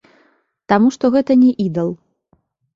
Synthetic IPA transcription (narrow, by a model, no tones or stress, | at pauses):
t̪amuʂt̪ɔɣɛt̪ɐnʲɛʔid̪ɐlˠ